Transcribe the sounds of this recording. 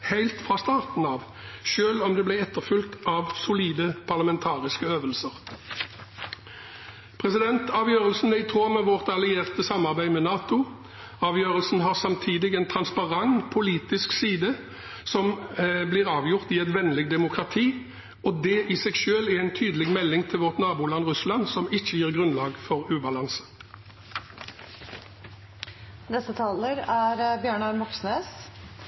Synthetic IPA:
hæɪlt̪fʁɑːst̪ɑːʁt̪n̩ɑːʋ | ʃøːlɔmd̪ɛblæɛt̪ːəʁfʏlt̪ɑʋsʊliːd̪əpʰɑʁlɑmɛnt̪ʰɑːʁɪskəøːʋəlsəʁ | pʰʁɛsɪd̪ɛnt̪ɑːʋjøːʁəlsn̩ɛɪt̪ʰʁoːmɛʋɔʁt̪ɑlɪeːʁt̪əsɑmːɑʁbæɪmɛnɑːt̪ʊ | ɑːʋjøːʁəlsn̩ɦɑʁsɑmt̪ʰiːd̪ɪɡɛnt̪ʰʁɑnspɑʁɑŋpʰʊliːt̪ɪsksiːd̪ə | sɔmblɪʁɑːʋjʊʁt̪ɪɛt̪ʋɛnlɪɡ̚d̪ɛmʊkʁɑt̪ʰiː | ɔd̪ɛʔɪsɛɡʃøːlɛɛɪnt̪ʰyːd̪əlɪɡmɛlːɪŋt̪ʰɪlʋɔʁt̪nɑːbuːlɑnʁʉslɑnsɔmɪçːəjiːʁɡʁʉnlɑːɡfɔʁʉːbɑlɑnsə̥ | nɛst̪ət̪ʰɑːləɾæɾbjøːɳɑɾmɔksnøːs

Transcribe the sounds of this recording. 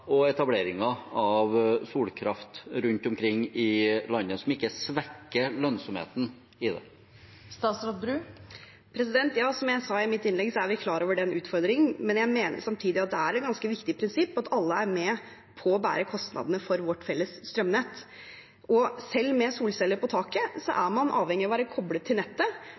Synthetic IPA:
ɔɛt̪ɑbleːɾɪŋɑɑʋsuːlkʰɾɑft̪ɾʉnt̪ʊmkʰɾɪŋːɪlɑnːəsɔmɪkːəsʋɛkːəlœnsɔmhḛːt̪n̩ | ɪd̪ɛ̰ | st̪ɑːt̪sɾɑt̪̚bɾʉː | pʰɾɛs̬ɪd̪ɛnt̪jɑːsɔmjæɪsɑɪmɪt̪ːɪnlɛɡsɔæɾʋɪkʰlɑːɾoːʋəɖɛnʉːt̪fɔɾd̪ɾɪŋəmɛnjæɪmeːnə̰ʂɑmt̪ʰiːd̪ɪɑt̪̚d̪ɛæɾɛt̪̚ɡɑnskəʋɪkt̪ɪpʰɾɪnsɪpːɑt̪ɑlːəæɾmɛː | pʰɔːbæ̰ːɾəkʰɔst̪nɑ̰d̪ənəfɔɾʋɔʈːfɛlːəsst̪ɾœmnɛt̪ː | ɔsɛlːmɛsuːlsɛlːəɾpɔt̪ʰɑːkəsɔ̰ʔæɾmɑnʔɑ̰ːʋhɛŋːɪɑʋæːɾəkʰɔblət̪ʰːɪlnɛt̪ːə

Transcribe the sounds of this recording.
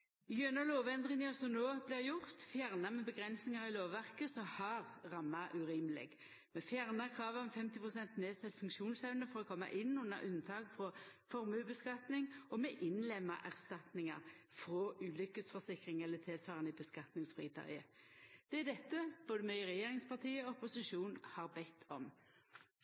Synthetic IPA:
ɡœnəloːʋɛnd̪ʁɪŋəɔsɔnoːblɪːʁjʊʁt̪fjæːʁnɑmɛbəɡʁɛnsnɪŋɑʁɪloːʋʋæʁkəsɔhɑʁʁɑmːɑʔʉɾiːmlɪ̰ɡ | mɛfjæːʁnɑkʰʁɑːʋəmɛfɛmt̪ɪpʰʁʊsɛnt̪neːsɛt̪fʉŋkʃuːnsɛʉnəfɔɾɔkʰɔmːɑ̰ʔɪnːʉnːə̰ɾʔʉnt̪ʰɑːɡfʁɔfɔʁmʉbəskɑt̪nɪŋɔmɛʔɪnlɛmːɑ̰ʔæʁst̪ɑt̪nɪŋɑ̰ʁfɾɔʉːlʏkəsfɔsɪkʁɪŋɛlːət̪ʰɪlt̪ʰɑːʁənibəskɑt̪nɪŋsfʁiːt̪ʰœ̰ʏəd̪̥ɛæd̪ɛt̪ːəb̥oːd̪əmœʏʁɛjeːʁɪŋspʰɑt̪ʰiːəɔɔpʊsɪʃuːnhɑʁbɛt̪ʰːɔm

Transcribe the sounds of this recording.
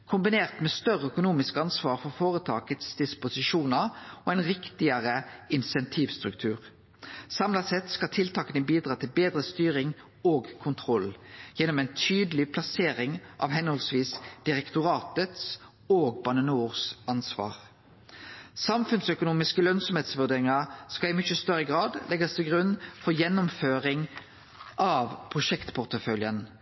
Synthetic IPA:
kʰʊmbɪneːʁt̪meːst̪œʁəœkʊnuːmɪskɑnsʋɑːʁfɔʁfoːʁət̪ʰɑːkət̪sd̪ɪspʊsɪʃuːnɑʁoːɛɪnʁɪkt̪ɪəʁəɪnsɛnt̪ʰiːʋst̪ʁʉkt̪ʰʉːʁ | sɑmlɑsɛt̪skɑt̪ʰɪlt̪ʰɑːkənəbiːd̪ʁɑːt̪ʰɪlbeːd̪ʁəst̪yːʁɪŋ | oːɡkʰʊnt̪ʰʁɔljɛnːɔmɛɪnt̪ʰyːd̪əlɪpʰlɑseːʁɪŋʔɑ̰ʋhɛnhɔlsʋiːsd̪̥ɪʁɛkt̪ʊʁɑːt̪ət̪s | oːɡbɑnənuːʁsɑnsʋɑ̰ːʁ | sɑmfʉnsœkʊnuːmɪskəlœnsɔmheːt̪sʋʉʁd̪eːʁɪŋɑʁskɑɪmʏçəst̪œʁəɡʁɑːd̪lʔɛɡɑst̪ʰɪlɡʁʉnfɔjɛnːʊmføːʁɪŋ | ʔɑːʋpʰʁʊʃɛkt̪pʰʊʁt̪əfœljən

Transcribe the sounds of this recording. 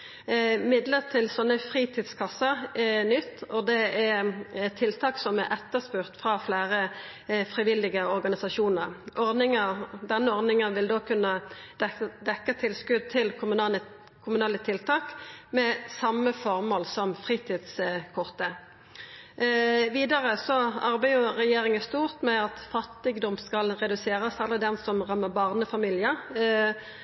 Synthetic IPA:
mɪd̪ləʁt̪ʰɪlsɔnːəfʁiːt̪ʰiːd̪skʰɑsəɾɛnʏt̪ːɔd̪ɛɛɛt̪ʰːɪlt̪ʰɑːksɔmɛɾʔɛt̪ːəspʉʁt̪fʁɑflæːɾə | fʁɪʋɪlɪɡəɔɾɡɑnɪsɑʂuːnəɾʔɔɾnɪŋəɾd̪ɛnːəɔɾnɪŋənʋɪld̪oːkʰʉnːə̥ | d̪ɛkːət̪ʰɪlskʉd̪̚t̪ʰɪlkʰmɑ | kʰʊmʉnɑːlət̪ʰɪlt̪ʰɑːkmɛsɑmːəfɔʁmoːlsɔmfʁiːt̪ʰiːd̪skʰɔʁt̪ə | ʋiːd̪ɑʁəsɔɑɾbæɪʊʁɛjeːɾɪŋəst̪uːʁt̪mɛɑt̪fɑt̪ːɪɡd̪ɔmskɑlʁɛd̪ʉseːɾəsɛlːəd̪ɛnsɔmʁɑmːəʁbɑːʁnəfɑmiːljəɾ

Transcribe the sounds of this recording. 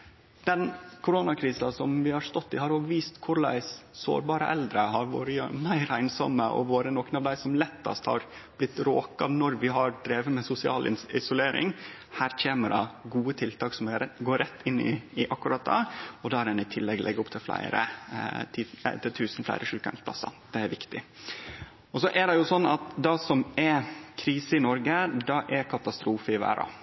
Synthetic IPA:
d̪̥ɛnkʰʊɾonɑkʰɾiːsɑsɔmʋɪhɑɾst̪ɔt̪ːɪhɑɾoːʋʋiːst̪kʰʊɾlæ̰ɪsso̰ːɾbɑːɾəʔɛld̪ɾəɦɑɾʋoːɾəmæɪɾæɪnsɔməʔɔ̰ʋoːɾənɔkənɑʋd̪æɪsɔmlɛt̪ːɑ̰st̪hɑ̰ɾ | b̥lɪt̪ːɾoːkɑnɔɾʋɪɦɑɾɖɾeːʋəmɛsʊsɪɑ̰ːlɪ̰ɪsʊleːɾʔɪ̰ŋ | hæːɾc͡çʰeːməɖɑɡuːət̪ʰɪlt̪ʰɑːksɔmɛɾɡoːɾɛt̪ːɪnːɪ̰ɪʔɑkːʉɾɑt̪̚d̪ɑ̰ɔd̪ɑːæɾɛnɪt̪ʰɪlːɛɡlʔɛɡːʊpt̪ʰɪlflæ̰ɪɾə̰t̪ʰit̪ʰɪlt̪ʰʉːsn̩flæ̰ɪɾəʂʉːkə̰nspʰlɑ̰sːɑ̰d̪̥ɛæɾʋɪkt̪ɪ | ɔsɔʔæɖɛjʊsɔnːɑt̪d̪ɑsɔmɛkʰɾiːsəɪnɔɾɡəd̪ɑʔɛɾkʰɑt̪ɑst̪ɾuːfəɪʋæ̰ːɾɑ̰

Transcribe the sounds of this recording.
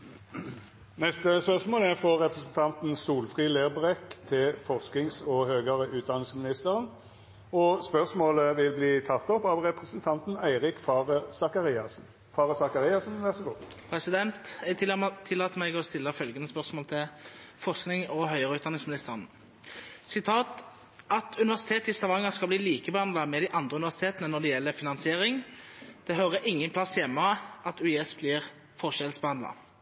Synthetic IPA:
nɛst̪əspœʁsmoːlæʁfʁɔʁɛpʁəsən̩t̪ʰɑnt̪n̩suːlfʁiːleːʁbʁɛkt̪ʰɪlfɔʁsknɪŋsɔhøːɡəʁəʉːt̪̚d̪ɑnːɪŋsmɪnɪst̪əʁən | ɔspœʁsmoːləʋɪlbliːt̪ʰɑt̪ːɔpːɑʋʁɛpʁəsənt̪ʰɑnt̪n̩æɪʁɪkfɑʁəsɑkɑʁɪɑ | fɑːʁəsɑkɑʁɪɑsnʋ̪ɛʁst̪əɡopʰɾɛsɪd̪ɛnt̪ | t̪ʰɪlːɑːt̪əmɛɡɔst̪ɪlːəfœlɡənəspœʁsmoːlt̪ʰɪlfɔʁsknɪŋɔɦœʏəʁəʉːt̪d̪ɑnɪŋsmnɪst̪əʁən | sɪt̪ʰɑːt̪ | ɑt̪ʰʉnɪʋæʁsɪ̥t̪ʰeːt̪əɪst̪ɑʋɑŋːɑskɑbliːliːkəbɛhɑnd̪lɑmɛd̪ɪʔɑnd̪ʁəʉnɪʋæʁsɪ̥t̪ʰeːt̪nənɔd̪ɛjɛlːəfɪnɑnsɪeːʁɪŋd̪̥ɛɦœʁəʔɪŋːənpʰlɑsːjɛmːəɑt̪ʉɛsbliːʁ | fɔʁʃɛlsbəhɑnlɑ̰

